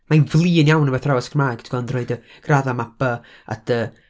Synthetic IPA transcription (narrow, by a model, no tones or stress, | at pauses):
majnvlˠiːnjawnəvɛθrawɛskʰrmaɡ̥tʰɡɔndroɨdə | ɡ̥raðamabə | a̰d̥ə